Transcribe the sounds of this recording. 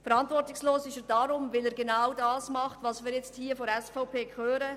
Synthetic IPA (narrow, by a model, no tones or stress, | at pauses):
fɛɾɑntvɔɾtɪksloːsɪʃɛd̥ɑɾʊmvɪlɛːɾɡenaʊdɑːsmɑχtvɑːsmiːɾjɛt͡sthiːfoɾɛsfaʊpʰeːkʰøːɾə